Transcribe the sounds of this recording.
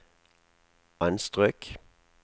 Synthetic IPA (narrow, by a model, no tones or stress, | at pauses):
ɑnst̪ʁøːk